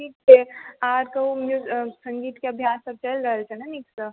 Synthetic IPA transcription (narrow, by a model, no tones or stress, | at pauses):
ʈʰiːk̚t͡ʃʰeaːɾkɐɦumud͡ʒesə̃ŋɡiːt̪keɐbʱjaːsːəb̚t͡ʃəlɾəɦəlt͡ʃʰɛnaniːksə